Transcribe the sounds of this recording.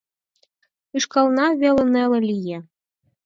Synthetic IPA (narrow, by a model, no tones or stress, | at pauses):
ɯʃkɑlˠnɑβelʲɤ̆nelɤ̆lʲije